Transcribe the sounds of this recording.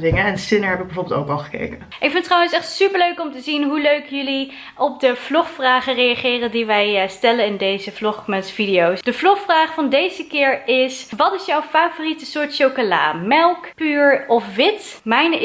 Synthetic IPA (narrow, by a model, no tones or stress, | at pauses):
dɪŋəɛnsɪnəɹɦɛpɪɡ̚bɛvoːbɪlˠto̰wkɑlˠχə̥kḛjkənʔɪkfɪntrɑwənsɛχtsypəɹløɥkɔmtəzinɦuløɥkjɵli | ʔɔp̚dəv̥lɔχfraːχərejaχɪːrəndiʋɛjstɛlənɪndejzəvlɔχməsfidijowsd̥əvlɔχfraːχfɑndejzəkɪːɹɪsʋɑtɪsjɔwfaːvoritəsʊːɹtʃowkola̰ːmɛlˠkpyːɹɔfʋɪtmɛjn